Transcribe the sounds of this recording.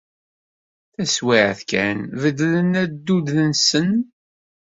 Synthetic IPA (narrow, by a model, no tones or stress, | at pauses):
θæswiʕθkæ̰nvəd̪lənæd̪ːud̪lənsən